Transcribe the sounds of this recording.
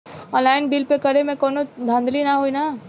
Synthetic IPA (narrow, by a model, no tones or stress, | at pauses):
ɔ̃ːnlaːɪnbilpekɐɾemẽkoːnod̪ʱə̃nd̪ʱlinaɦoːina